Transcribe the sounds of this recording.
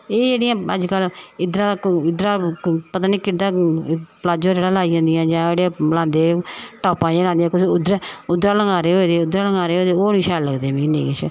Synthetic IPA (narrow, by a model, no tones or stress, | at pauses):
eːd͡ʒeːɽɪjãːəd͡ʒkəlɪd̪ɾãːɪd̪ɾãːpət̪aːniːkɪd̪ãːplaːd͡ʒõːd͡ʒeːɽaːlaːiːãːnd̪ɪjãːd͡ʒãːeːɽeːlãːnd̪eːʈaːpãːd͡ʒeːlaːnd̪ijãːkʊsʊd̪ɾʊd̪ɾãːləŋɡaːɾeːɦoːd̪eːʊd̪ɾaːləŋɡaːɾeːɦoːd̪eːoːniːʃɛːlləɡd̪eːʋĩːnḛːɡət͡ʃʰ